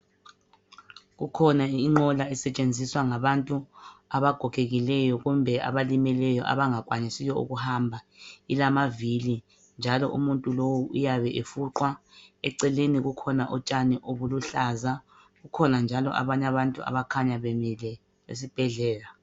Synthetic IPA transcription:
ɣukʰɔnaiŋ͡ǃɔlaɛsɛt͡ʃʼend͡zʱiswaŋaβantʼuaβaɡ̥ʱɔkʰʼeɣilɛjɔɣumbʱɛa̰βalimilɛjɔʔa̰βaŋakʼwaɲisijɔṵɣuhambʱa | ilamavili | nd͡ʒʱalɔ̰ʔṵmuntʼulowuʔujaβɛʔefuǃwaɛ̰ǀɛleniɣukʰɔnaʔɔt͡ʃʼaniʔoβuluɬaza | ɣukʰɔnand͡ʒʱalɔ̰ʔa̰βaɲaβantʼua̰βakʰaɲaβlɛ | ḛsib̥ʱɛɮɛːla

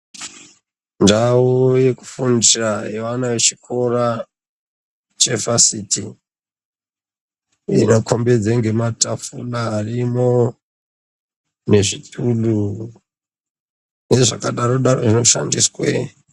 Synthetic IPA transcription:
ndawojeku̥fundiraɦeʋanaʋe̞t͡ʃikʰo̞ra | t͡ʃe̞vasitʰi | ḭnokʰo̞mbe̞d͡zeŋɡe̞matafulaːrimo | ne̞ʐitulu | jeʐakaɗaɾo̞ɗaro̞ʐino̞ʃa̰ndiswḛ

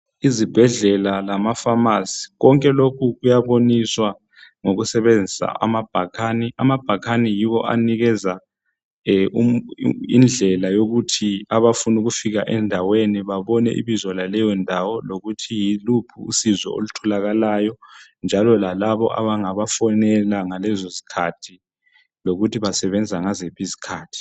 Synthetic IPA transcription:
izib̥ʱɛɮɛlalamafamasi̥ɣɔŋkʼɛlokʰuɣujaβoniswa | ŋoɣusɛβend͡zʱisa̰a̰mab̥ʱakʰaniʔamab̥ʱakʰanijiβɔʔa̰niɣɛza | uḭnd͡ɮʱɛlajoɣutʰiaβafunuɣufiɣaʔɛndʱaweniβaβɔnɛ̰ʔḭβizwɔlalɛjɔndʱawɔloɣutʰijilupʰṵːsizɔ̰o̰lutʰɔlaɣalaːjɔnd͡ʒʱalɔlalaβɔ̰ʔa̰βaŋaβafɔnɛlaŋalɛzozi̥kʰatʰi | loɣutʰiβasɛβɛnd͡zʱaŋazepizi̥kʰaːtʰi̥

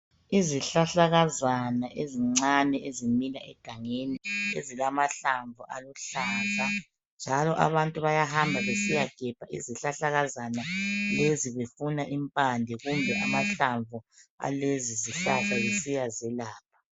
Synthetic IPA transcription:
iziɬaɬaɣazanaʔeziŋ͡ǀanɛʔezimilaʔɛɡ̥ʱaŋeniḛzilamaɬaɱvuʔaluɬaːɬa | nd͡ʒʱalɔʔa̰βantʼuβajahambʱaβesijaɡ̥ʱɛpaʔḭziɬaɬaɣazanaleziβefunaʔimpʼandʱɛɣumbʱɛʔamaɬaɱvʱua̰leziziɬaɬajesijazɛlaːp̚ʰḁ

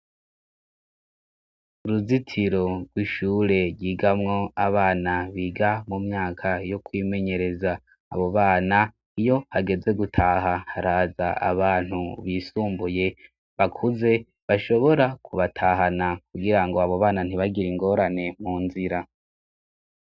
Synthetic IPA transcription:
uɾuzitʰiɾo̞ɾɡwiʃuːɾe̞ɾɟiːɡamŋo̞aβaːnaβiɡamumɲaːkʰajokwiːme̞ɲe̞ɾe̞za̰ː | βo̞βaːna | ijo̞haɡe̞ze̞ɡutʰaːɦahaɾaːzaa̰βaːn̥huβisuːmbuje̞ | βakʰuze̞ | βaʃo̞βo̞ɾakʰuβatʰaːɦanakuɡiɾaŋɡo̞aβo̞βaːnan̥iβaɡiɾiŋɡo̞ɾane̞muːnziɾa

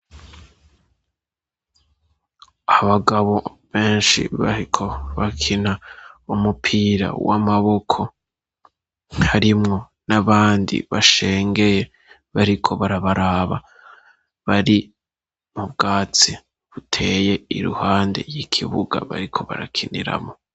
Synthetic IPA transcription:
aβaɡaβo̞βe̞ːnʃḭβaɾikʰoβakʰinaumupʰiːɾa̰wa̰maβo̞kʰo̞ | haɾimŋo̞ | naβaːndḭβaʃe̞ːŋɡe̞je̞ | βaɾikʰo̞βaɾaβaɾaːβa̰ | βaɾi | mubɡaːt͡si | βutʰe̞ːje̞iɾṵhaːndḛɾjikʰiβuɡa̰βa̰ɾikʰo̞βa̰ɾa̰kʰinḭɾa̰mo̞

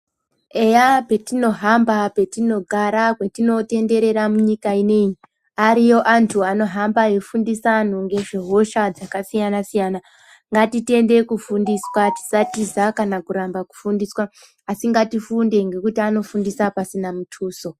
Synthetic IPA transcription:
e̞jape̞tino̞ɦambape̞tino̞ɡʱaɾakwetino̞te̞nde̞ɾe̞ɾamuɲikaine̞ɲi | aɾijo̞ʔantʰuano̞ɦambajefundisan̤uŋɡe̞ʐeɦo̞ʃad͡zakasijanasijana | ŋɡatite̞nde̞kufundiswati̥satizakanakuɾambaku̥fundiswaː | siŋɡatifunde̞ŋɡe̞kutiano̞fundisapasinamutʰuːso̞

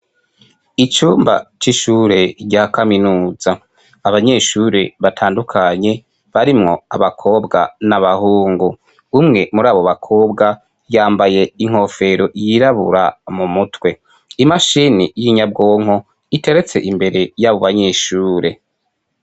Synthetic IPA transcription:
it͡ʃuːmba̰t͡ʃiʃuɾe̞ɾɟakaminuːzaː | βaɲe̞ːʃuɾe̞βatʰaːndukʰaɲe̞ | βaɾimŋo̞̰aβakʰo̞ːbɡa̰naβahuːŋɡu | umŋe̞muɾaːβo̞βakʰo̞ːbɡa | jaːmbaje̞iŋ̥ho̞fe̞ɾo̞ʔjiɾaβṵɾa̰mumutwe̞ | imaʃinijiɲabɡo̞ːŋ̥o̞ | ite̞ɾe̞t͡se̞̰ʔimbe̞ɾe̞jaβo̞βaɲe̞ʃuːɾe̞

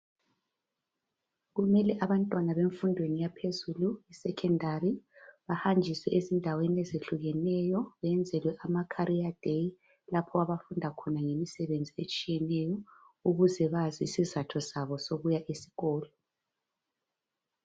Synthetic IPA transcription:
ɣumɛlɛʔaβantʼwanaβeɱfundʱwenijapʰezuluisɛkʰɛndʱariβahand͡ʒʱiswɛʔezindʱaweniɛzeɬuɣɛnɛjɔβɛnd͡zʱɛlwɛʔamakʰaɾʔiad̥ʱej | lapʰɔaβafundʱakʰɔnaŋemisɛβend͡zʱiet͡ʃʼijɛnɛjɔ | uɣuzɛβaziːsizatʰɔsaβɔsoβujaʔisi̥ɣɔːlɔ

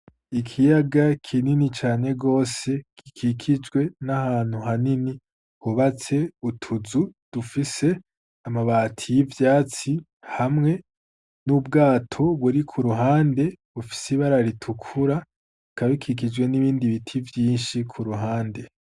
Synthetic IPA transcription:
ikʰijaɡakʰininit͡ʃaːne̞ɡo̞ːse̞kʰikʰikʰid͡ʒɡwe̞nahaːn̥huɦanini | huβat͡se̞utʰuzud̥ufise̞ | amaβaːtʰijivjaːt͡si | hamŋe̞ | nubɡaːtʰo̞βuɾikʰuɾuɦaːnde̞βufi̥siβaɾaɾitʰukʰuɾa | kaβikʰik̬id͡ʒwe̞niβiːndiβitʰivjiːnʃikʰuɾuɦaːnde̞

